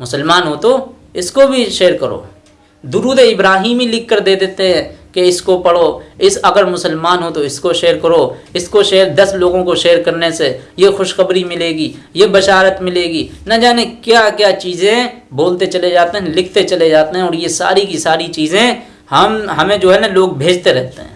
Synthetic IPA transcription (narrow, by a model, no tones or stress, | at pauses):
mʊsəlmaːnɦoːt̪o | ɪskobʱiʃeːɾkɐɾo̰ː | d̪ʊɾuːd̪eɪbɾaːɦiːmilɪkːəɾd̪eːd̪eːt̪eɦɛ̃keɪskopɐɽoːɪsɐɡəɾmʊsəlmaːnɦoːt̪oɪskoʃeːɾkɐɾoːɪskoʃeːɾd̪ɐsloːɡõkoʃeːɾkɐɾnesejexʊʃxəbɾimɪleːɡiːjebɐʃaːɾət̪mɪleːɡiːnɐd͡ʒaːnekjaːkjaːt͡ʃiːzẽboːlt̪et͡ʃɐled͡ʒaːt̪eɦɛ̃lɪkʰt̪et͡ʃɐled͡ʒaːt̪eɦɛ̃ɔːɾjesa̰ːɾikisaːɾit͡ʃiːzẽ | hɐmɦɐmẽd͡ʒoːɦɛnɐloːɡ̚bʱeːd͡ʒt̪eɾɛɦt̪eɦɛ̰̃ː